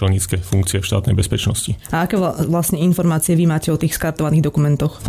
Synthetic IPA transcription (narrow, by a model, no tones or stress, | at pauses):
ɛlɲit͡skɛfuŋk̚t͡siɪɛfʃt̪a̰ːt̪nɛjbɛspɛt͡ʃnɔ̰sciaakɛːʋlasɲɛinfɔɾmaːt͡siɛʋimaːcɛɔt̪iːxskaɾt̪ɔʋaniːɣd̪ɔkumɛnt̪ɔx